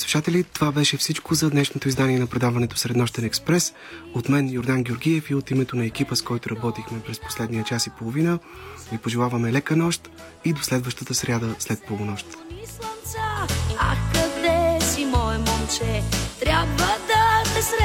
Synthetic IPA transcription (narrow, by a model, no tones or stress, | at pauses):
svi̥ʃat̪ɛlit̪ovabɛʃɛfsit͡ʃkozɐd̪nɛʃnot̪oizd̪aniɛnɐpɾɛd̪avɐnɛt̪o̥sɾɛd̪nɔʃt̪ɛnɛkspɾɛs | ot̪mɛnjoɾd̪anɡʲɛoɾɡʲiɛfiot̪imɛt̪onɐɛkipəskɔjt̪ʊɾɐbɔt̪ixmɛpɾɛsposlɛd̪niət͡ʃasipolˠovinəvipoʒɛlˠavəmɛlɛkənɔʃt̪ | id̪oslɛd̪vəʃt̪ət̪əsɾʲjad̪əslɛt̪̚polˠonɔʃt̪islˠɐnsəa̰kːɐd̪ɛsimɔɛmɔnt͡ʃɛt̪ɾʲabvəd̪ɐsɛsɾ